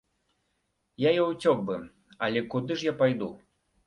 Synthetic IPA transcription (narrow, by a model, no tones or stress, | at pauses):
jajɔwt͡sʲɔk̚bɨ | ɐlʲɛkud̪ɨʂjapajd̪u